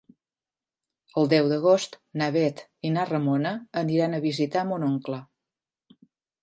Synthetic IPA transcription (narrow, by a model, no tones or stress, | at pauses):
əlˠd̪ɛwd̪əɣ̞ost̪naβɛt̪inarəmonəːniɾanəβizit̪amunoŋklə